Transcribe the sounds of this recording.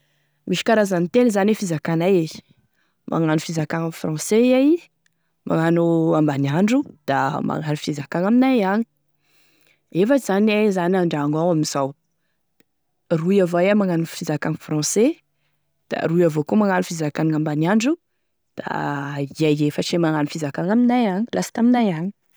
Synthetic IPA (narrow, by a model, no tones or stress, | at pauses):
mʔiʃi̥kaɾazanit̪enzanefizakanae̥ | mʔa̰ŋanufizakaŋafrɑ̃seaj | ma̰ŋanuambaniaɳɖ͡ʐud̪̥a̰ma̰ŋanufizakaŋaminaaɲi̥ | efət͡ʃiz̥anezanaɳɖ͡ʐaŋawamiz̥aw | rujavaamaŋanufizakaŋifrɑ̃se | d̪̥a̰ruiavokumaŋanufizakaniŋambaniaɳɖ͡ʐu | d̪̥a̰iajefəʈ͡ʂemaŋanufizakaŋaminajaɲilasi̥t̪aminajaɲi̥